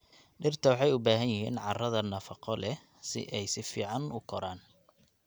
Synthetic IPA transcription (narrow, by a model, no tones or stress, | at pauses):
ɖɪrt̪ʰɐwɑħɑjʊbaːɦɐnjɪɦḭːnʕɑrɐðɐnɐfɑqɔlɛ | sɪ̰ʔɛjsɪfḭːʕɑnʔʊkʰɔɾaːn